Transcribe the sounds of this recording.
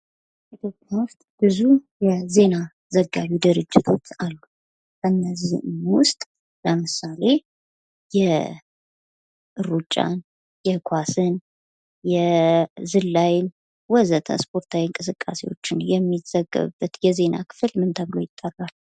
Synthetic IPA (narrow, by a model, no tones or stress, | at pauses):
ʔit̪ʰjo̞pʼjanwʊst̪ʼb̥ɨzujɛze̞na | zəɡːaβid̪ɨɾɨd͡ʒːɪt̪ʰo̞t͡ʃːalːu | ɨnːəzinwʊst̪ʼ | ləmɨsale̞ | jɛ | ʔɨɾut͡ʃʼːa̰n | jɛkʷʰasɨn | jɛzɨlːajn | wɔzət̪ʰə̰spʰo̞ɾt̪ʰawiŋkʼɨsɨkʼːase̞wo̞̰t͡ʃːɪnjɛmːiz̥əɡːə̰βɨbːət̪jɛze̞na̰kʰɨ̥fɨlmɨnt̪ʰəβɨlo̞jɪt̪ʼːərːal